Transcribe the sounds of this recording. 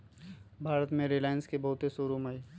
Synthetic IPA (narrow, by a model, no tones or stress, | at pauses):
bʱaːɾət̪mẽɾelaːjənskebɐɦʊt̪esoːɾoməi